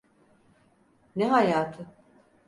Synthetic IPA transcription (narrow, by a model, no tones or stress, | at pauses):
nɛɦajaːt̪ʰɯ